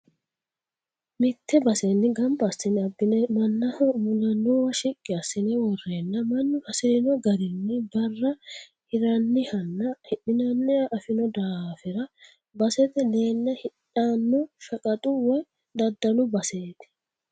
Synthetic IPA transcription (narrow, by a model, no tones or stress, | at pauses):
mɪt̪ːɛbɐsɛnːɪɡɐmbɐːsːɪnɛɐbːɪnɛmɐnːɐmʊnɐnːɔːwɐʃɪkʼːɪɐsːɪnɛwɔrːeːnːɐmɐnːʊhɐsɪɾɪnɔɡɐɾɪnːɪbɐrːɐ | ɪɾɐnːɪhɐnːɐhɪɗɪnɐnːɪɐʔɐfɪnɔd̪aːfɪɾɐ | bɐsɛt̪ɛleːnːɐhɪᶑanːɔʃɐkʼɐt̪ʼʊwɛ | d̪ɐd̪ːɐnʊbɐseːt̪ɛ̥